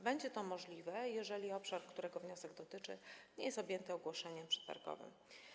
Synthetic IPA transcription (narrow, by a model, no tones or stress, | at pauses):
bɛɲd͡ʑɛt̪ɔmɔʐlʲivɛjɛʐɛlʲiɔpʂaɾkt̪uɾɛɡɔvɲɔsɛɡd̪ɔt̪ɘt͡ʂɘ̰ɲɛjɛst̪ɔbʲjɛnt̪ɘɔɡwɔʂɛɲɛmpʂɛ̥t̪a̰ɾɡɔ̰vɘ̰m